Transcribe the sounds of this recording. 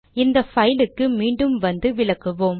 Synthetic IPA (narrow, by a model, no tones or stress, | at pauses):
ɪnd̪ɐfɐjɪlɯkːɯmiːɳɖɯmʋɐnd̪ɯʋɪɭɐkːɯʋoːm